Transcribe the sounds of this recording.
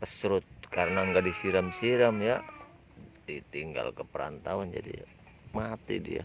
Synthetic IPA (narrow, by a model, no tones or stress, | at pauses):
pəsɾʊt̪̚kaɾənaŋɡadisiɾamsiɾamja̰ | dit̪iŋɡa̰lkəpəɾa̰nt̪awand͡ʒa̰dḭ | mat̪ḭdḭa̰